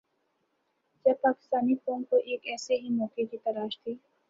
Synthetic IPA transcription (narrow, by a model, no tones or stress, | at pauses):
t͡ʃɐpaːkɪ̥st̪aːnipõːŋkoʔeːkɛːseɦimɔːkekit̪ɐɾaːʃt̪ʰiː